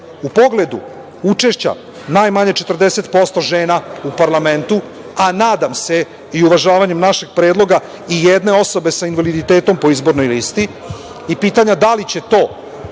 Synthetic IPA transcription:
upo̞ɡle̞d̪ṵ | ut͡ʃe̞ʃt͡ɕa̰ | najmaɲet͡ʃe̞t̪r̩d̪ese̞t̪po̞st̪o̞ʒe̞ːnaupaɾlˠame̞nt̪u | anaːd̪amse̞ | iuʋaʒaːʋaɲe̞mnaʃe̞ɡ̥̚pɾeːd̪lˠo̞ɡa | ijed̪ne̞o̞so̞be̞sainʋalid̪it̪eːt̪o̞mpo̞izbo̞ɾnojlist̪i | ipiːt̪aɲad̪alit͡ɕe̞t̪o̞ː

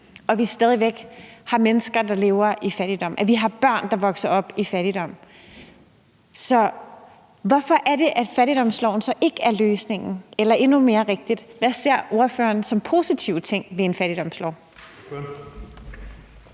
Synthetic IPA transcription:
ɒ̽ʋisd̥ɛːð̞ˠiʋeɡ̥hɑ̈menəsɡ̥ɐd̥ɑ̈le̝ːʊɐʔifæɾ̥id̥ɒ̽m̰ʔæʋiɦɑ̈b̥ɶɐ̰nd̥ɑ̈ʋɒ̽ɡ̥sɐʔɒ̽b̥ifæɾ̥id̥ɒ̽m̰ | sɒ̽ | ʋɒ̽fɒ̽ʔæɐɾe̝ʔæd̥fæɾid̥ɒ̽m̰slɒʊ̰n̩sɒ̽ʔe̝ɡ̥əæɐløːsne̝ŋn̩elɐʔe̝nume̝ːɐʁeɡ̥̚d̥id̥ʋæse̝ɐ̰o̝ɐfø̰ːɐnsɒ̽mpʰo̝ːsit͡sʰiʊ̰t͡sʰe̝ŋ̰ʋe̝enfæɾ̥id̥ɒ̽mslɒʊ̰

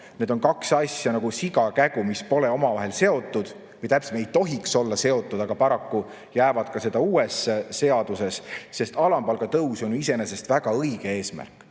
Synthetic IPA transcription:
ne̞d̪o̞nkɑksɑsʲjɑnɑɡ̥usiɡɑkæɡumispo̞leo̞mɑvɑɦe̞lse̞o̞t̪ːˑud̪̥ | vjt̪æp̚ːsmejt̪o̞ɦikso̞lːɑse̞o̞t̪ːˑud̪̥ɑɡ̥ɑpɑɾɑkːu | jæːvɑd̪̥̚kɑse̞d̪̥ɑuːesːese̞ɑd̪̥use̞sːe̞st̪ɑlɑmbɑlɡ̥ɑt̪ɤwso̞njuis̬e̞nese̞st̪væɡ̥ɑɤjɡ̥e̞e̞ːsmæ̰rkːˑ

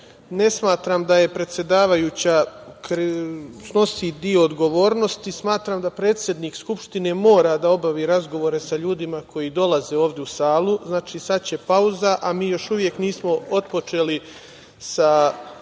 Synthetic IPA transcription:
ne̞smaːt̪ɾamd̪aje̞pɾe̞t̪sje̞d̪aːʋajuːt͡ɕakɾsno̞sid̪io̞ːd̪ɡo̞ʋo̞ːɾno̞st̪ismaːt̪ɾamd̪apɾe̞ːt̪sʲje̞d̪niːkskupʃt̪ine̞mo̞ːɾad̪ao̞baʋiːɾazɡo̞ʋo̞ɾe̞saʎuːd̪imakʰo̞jid̪o̞laze̞oːʋd̪eusaːlˠuznaːt͡ʃisatt͡ɕe̞pauzaʔamiːjo̞ʃuʋje̞kniːsmo̞o̞t̪po̞t͡ʃe̞ːli | sa

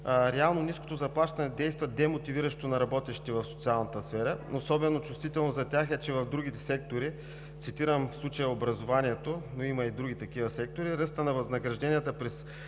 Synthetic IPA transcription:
ɾɛalˠnonisko̥t̪ozɐplˠaʃt̪ɐnɛd̪ɛjst̪vɐd̪ɛmot̪iviɾəʃt̪onɐɾɐbɔt̪ɛʃit̪ɛvɐfso̥t̪sialˠnət̪əsfɛɾənosɔbɛnot͡ʃʊst̪vit̪ɛlˠnozɐt̪ʲaxɛt͡ʃɛvɐvd̪ɾuɡ̟it̪ɛsɛk̚t̪oɾi | t̪sit̪iɾəmfslˠut͡ʃəjəobɾɐzovaniɛt̪onoimɐid̪ɾuɡʲit̪ɐkivəsɛk̚t̪oɾiɾəst̪ənɐvɐznɐɡɾɐʒd̪ɛnijət̪əpɾɛs

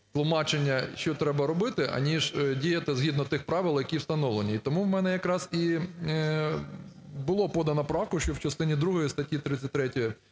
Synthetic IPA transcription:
t̪lˠʊmɑt͡ʃenʲːɐʃt͡ʃɔt̪ɾɛbɐɾɔbɪt̪ɪʔɐ̰nʲiʒdʲijɐt̪ɪzɦʲid̪nɔt̪ɪxpɾɑʋɪlˠjɐkʲiwst̪ɐnɔʋlˠenʲiit̪ɔmuwmɛnɛjɐkɾɑzi | bʊlˠɔpɔd̪ɐnɐpɾɑwkʊʃt͡ʃɔwt͡ʃɐst̪ɪnʲid̪ɾuɦɔjist̪ɐtʲjit̪ɾɪt̪sʲɐtʲt̪ɾɛtʲɔji

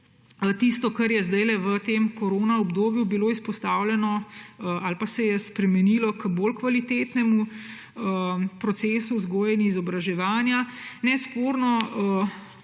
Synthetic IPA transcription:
t̪ist̪ɔkɐɾjɛzd̪ajlɛʋət̪emkoɾoːnaɔbd̪oːbjubiloːispɔst̪aːwlʲjɛnɔʔalpasɛjɛspɾɛmɛniːlɔkboːlkʋalit̪eːt̪nɛmu | əpɾɔt̪seːsuzɡoːjɛnjiizɔbɾaʒɛʋaːnjanɛspoːɾnɔə

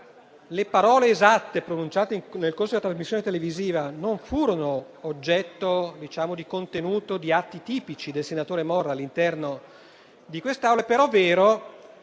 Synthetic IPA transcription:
lepaɾɔːleːzat̪ːepɾonunt͡ʃaːt̪eiŋnelkoɾrsod̪lat̪ɾazmisːjoːnet̪eleviziːvanoɱfuːɾonoː | d͡ʒːɛt̪ːod̪it͡ʃaːmod̪ikont̪enuːt̪od̪iat̪ːit̪iːpit͡ʃid̪elsenat̪oːɾemɔrːalːint̪ɛrno | d̪ikwest̪eawlepeɾɔvːeːɾo

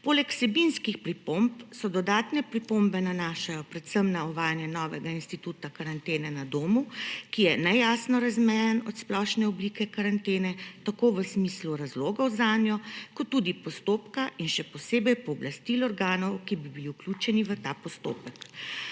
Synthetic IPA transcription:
poːlɛksɛbinskixpɾipompsɔd̪ɔd̪aːt̪nɛpɾipombɛnanaʃajɔpɾɛt̪səmnaɔʋaːjanjɛnɔːʋɛɡainst̪it̪ut̪akaɾant̪eːnɛnad̪oːmukijɛnɛjaːsnɔɾazmɛjɛnɔt̪splɔʃnɛɔblikɛkaɾant̪eːnɛt̪akoʋəsmisluɾazloːɡɔwzaːnjɔkɔt̪ːuːd̪ipɔst̪oːpkaʔinʃɛpɔseːbɛjpɔːblast̪ilɔɾɡaːnɔwkibibiliuklʲuːt͡ʃɛniʋət̪aːpɔst̪o̰ːpək

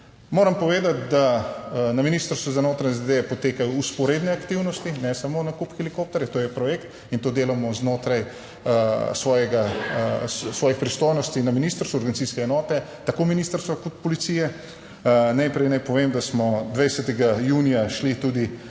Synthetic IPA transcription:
moːɾɐmpɔʋeːd̪at̪̚d̪anaminist̪əɾst̪ʋuzanoːt̪ɾaɛzd̪ed̪epɔt̪eːkajɔuspɔɾeːd̪nɛakt̪iwnɔst̪inɛsamonakupxɛlikoːp̚t̪ɛɾjɛt̪oːjɛpɾɔjekt̪ | int̪oːd̪eːlamɔznoːt̪ɾaj | sʋɔːjɛɡassʋɔːjixpɾist̪ojnɔst̪inaminiːst̪əɾst̪uɔɾɡɐnit̪iskɛɛnɔːt̪ɛt̪akominist̪əɾst̪ʋakɔt̪̚pɔlit̪siːjɛ | najpɾɛjnajpɔʋeːmd̪asmɔd̪ʋɛjsɛt̪ɛɡajunijaʃlit̪ud̪i

